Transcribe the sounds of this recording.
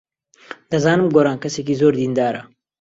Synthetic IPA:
d̪̥ɐzaːnɨmɡoːɾaːnkɐseːk̬iːzoːɾd̪iːnd̪aːɾɐ̰

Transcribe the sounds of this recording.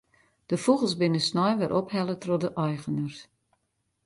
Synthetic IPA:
d̥əfuɣəl̩ˠsbɪnəsnɔjʋɪɾʔɔphɛlˠətrodəʔɔjɣənərs

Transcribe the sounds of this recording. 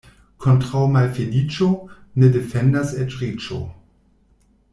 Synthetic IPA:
kʰɔntʁawmalfelit͡ʃonedefɛndasɛt͡ʃʁit͡ʃo̰

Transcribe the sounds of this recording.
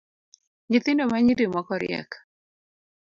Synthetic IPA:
ɲɪt̪ɪndomaɲidimɔkɔɾɪ̰ɛ̰k

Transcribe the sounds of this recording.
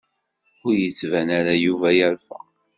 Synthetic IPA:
ʊɾjət͡sːvænæɾæjuvæjæɾfæ̰

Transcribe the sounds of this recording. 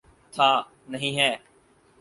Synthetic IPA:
t̪ʰaː | nəɦĩːɦɛː

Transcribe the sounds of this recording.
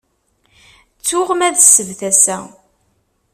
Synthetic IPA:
t͡sːʊʁmæðsːəvθæsæ

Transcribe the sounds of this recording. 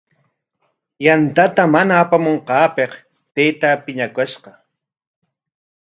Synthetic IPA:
jant̪at̪amanaːpamoɴqɑːpeq | t̪ejt̪apɪɲakʊʃqɑ

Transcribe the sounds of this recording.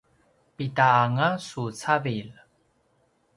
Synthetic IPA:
pitaŋasut͡savil

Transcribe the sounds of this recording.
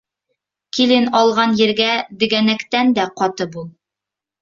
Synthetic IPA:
kilɘnɒlˠʁɑnjɘ̆ɾɡæd̪ɘ̆ɡænækt̪ænd̪æqɒt̪ɤbulˠ

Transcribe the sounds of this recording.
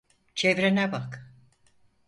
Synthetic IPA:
t͡ʃʰevɾenɛbak

